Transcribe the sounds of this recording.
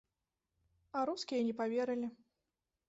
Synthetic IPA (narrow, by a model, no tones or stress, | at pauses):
ɐɾuskʲijɐnʲɛpavʲeɾɨlʲi